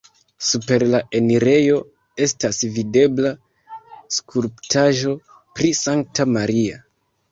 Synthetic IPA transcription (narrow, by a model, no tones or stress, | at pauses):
supe̞ɾlae̞niɾe̞jo̞ | e̞stasvide̞bla | skʰuɾptʰaʒo̞ | pɾisaŋk̚tamaɾia